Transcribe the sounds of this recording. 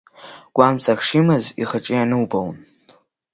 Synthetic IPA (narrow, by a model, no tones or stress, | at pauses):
ɡ̥ʷamt͡sʰʼakʰʂimɨzḭχəʈ͡ʂʼɪjanɨwbown